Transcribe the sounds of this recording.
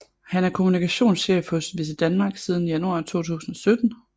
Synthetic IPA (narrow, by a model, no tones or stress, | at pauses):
hænæɐkʰo̝munikʰæɕo̝̰ːnsɕefhɔ̽sʋis̬əd̥ænmɑ̈ːɡ̥siːð̞ˠn̩ijænuɑ̈ːt͡sʰo̝̰ːt͡sʰṵːsn̩ɒ̽sød̥n̩